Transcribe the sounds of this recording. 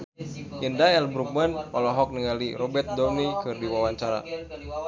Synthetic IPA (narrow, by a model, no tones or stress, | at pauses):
ʔindaɛlbɾuk̚manɔlɔɦɔk̚niŋaliɾɔbɛrt̪̚dɔnikɨrdiwawaɲt͡ʃaɾa̰